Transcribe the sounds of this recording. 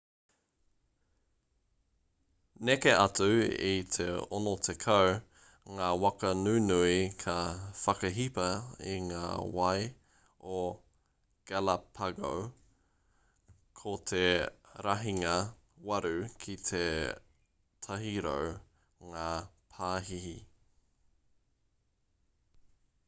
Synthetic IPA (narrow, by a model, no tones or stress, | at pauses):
nekeʔɐtuḭt̪ʰeonot̪ʰekʰɐw | ŋaːwɐkɐnʉnuikʰɐfɐkɐɦipɐḭŋaːwɐj | o | ɡ̥alɐpʰɐɡo̰w | kʰot̪ʰeɾɐɦiŋɐ | wɐɾʉkʰit̪ʰe | tʰɐɦiɾo̰w | ŋaːpʰaːɦihi